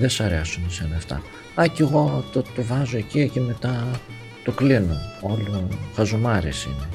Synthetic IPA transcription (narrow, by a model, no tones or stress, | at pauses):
ðesɐɾeɐsunesenɐːft̪ɐ̰ | ɐceɣo̞t̪ot̪ovɐzoeciecime̞t̪ɐ | t̪oklinoolufɐzumɐɾisḭne